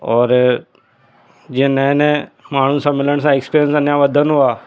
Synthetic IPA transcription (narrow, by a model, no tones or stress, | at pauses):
ɔːɾ | d͡ʒenə̃nẽmaːɳ̤ũsãmɪləɽ̃sãekspiːɾjənsɐnjaʋəd̪ʱənɦuaː